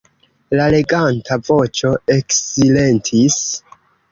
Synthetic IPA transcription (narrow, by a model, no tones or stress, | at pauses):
lale̞ɡantʰavo̞t͡ʃo̞eksile̞ntʰis